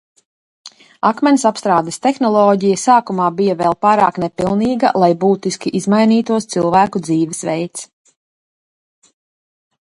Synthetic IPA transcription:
akmʲɛnʲsapst̪ɾaːd̪ɛst̪ɛxnɔlˠɔːɟijəsaːkumaːbijavɛːlˠpaːɾa̰ːknɛpilˠniːɡa̰lˠajbuːt̪iskʲiʔizmajniːt̪uɔst̪silˠvæːkud̪ziːvɛsʋɛ̰jt̪s

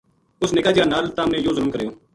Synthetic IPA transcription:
ʊsneːkaːd͡ʒjaːnaːlt̪aːmẽːjoːzəɾʊmkəɾeːoː

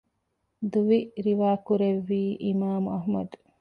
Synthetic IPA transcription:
d̪uʋiɾiʋaːkuɾeʋːiːʔimaːmuɐɦmɐd̪u̥

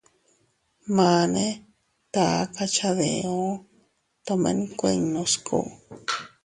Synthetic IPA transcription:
mane | t̪aakat͡ʃaðeo | t̪omḛnikʷeɲnoskʰo̰

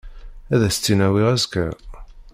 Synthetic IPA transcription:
æðæst͡sːinæwiʁæzkːæ̰

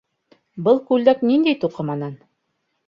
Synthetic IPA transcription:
bɤlˠkʉlːæknind̪æjt̪uqɤ̆mɑnɑn

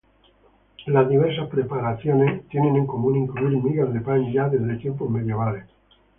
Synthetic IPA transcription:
lazðiβ̞eɾsaspɾe̞paɾaθjonest̪je̞nẽ̞neŋko̞mũnĩŋkluiɾmiɣazðe̞paɲʎaðezðet̪je̞mp̬ome̞ðjeβ̞ales

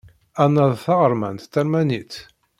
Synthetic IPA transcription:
ænːæðˤθɑʁəɾˤmæ̰nt̪θæɾmænit̪

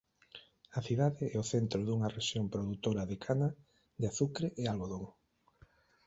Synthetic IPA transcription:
ɐθiðaðɪɛoθent̪ɾoðuŋɐreʃjompɾoðut̪oɾɐðekʰanɐ | d̪eaθukɾeʔealβoðoŋ

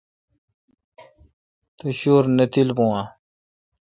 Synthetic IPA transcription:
t̪uɕoːɾnet̪ilbõã

